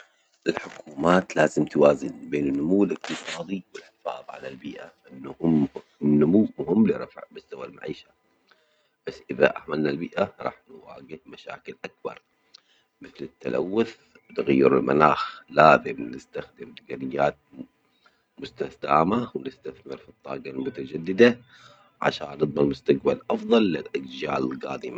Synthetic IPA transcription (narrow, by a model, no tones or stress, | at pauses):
ʔɪlħʊkʰuːmaːt̪laːzɪmt̪waːzɪnbeːnɪnːʊmuwːɪlʔɪq̚t̪ɨsˤɑːd̪ˤiwɪlħɪfa̰ːðˤʕa̰lalbiːʔaʔɪnːuhʊm | nʊmuwːmʊhɪmːliɾˤɑ̰fʕbɪst̪awalma̰ʕiːʃa | b̥asːʔɪða̰ʔaʕmalnalbiːʔaɾˤɑ̰ːħnwa̰ːɡɪhmaʃa̰ːkɪlʔak̚bɑ̰ɾˤ | mɪθlɪt̪ːa̰lʔa̰wːʊθ | bt̪aɣajːɪɾɪ̰lma̰naːxlaːzɪmnɪst̪axd̪ɪmt̪ɪɡanɪjːaːt̪̚ | mʊst̪asd̪aːmawnɪst̪aθmɪɾfit̪ˤːɑ̰ːɡɑlmʊt̪ad͡ʒad̪ːɪd̪a | ʕa̰ʃa̰ːnːɨt̪ˤmɑlmʊst̪aɡbalʔɑfðˤɑlːɪlʔaɡd͡ʒaːlɪlɣaːd̪ɪma